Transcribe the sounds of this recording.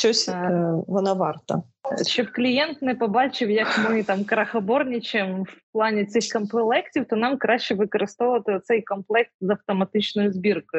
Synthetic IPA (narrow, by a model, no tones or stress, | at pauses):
ʃt͡ʃɔsʲʋɔnɑʋɑrt̪ɐ̰ | ʃt͡ʃɔbklʲijɛnt̪nɛpɔbɑt͡ʃɪwjɐkmɪt̪ɑmkɾɐxɐbɔrnʲɪt͡ʃɛmwplˠɑnʲit̪sɪxkɔmp̪ɪlˠɛktʲiwt̪ɔnɑmkɾɑʃt͡ʃɛʋɨkɔɾɨst̪ɔʋʊʋɐt̪ɪɔt̪sɛjkɔmplˠɛkst̪zɐwt̪ɔmɐt̪ɪt͡ʃnɔjʊzbʲirkʊ